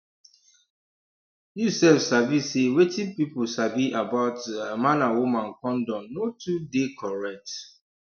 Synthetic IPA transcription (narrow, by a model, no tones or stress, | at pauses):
jusɛfsabisewetĩpipʊsabiʔabaʊtmãnãwumãnkɔ̃ndɔ̃notʰudekʰɔɹɛk̚t